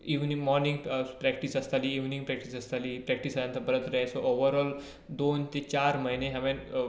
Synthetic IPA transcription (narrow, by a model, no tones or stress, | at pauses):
iʋnimɔɾnĩŋɡpɾɛkʈisɐst̪aliːʋnĩŋɡpɾɛk̚ʈisɐst̪aliːpɾɛk̚ʈisajãnt̪ʰəbəɾət̪ɾəesoʔoʋəɾɔːl | d̪oːnt̪et͡ɕaɾməɦineɦaʋẽn